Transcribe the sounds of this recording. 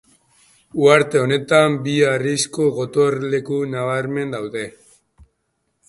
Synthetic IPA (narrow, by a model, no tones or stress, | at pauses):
uaɾt̪e̞o̞ne̞t̪ambiarisko̞ɣo̞t̪o̞ɾle̞kunaβ̞aɾme̞nd̪awðe̞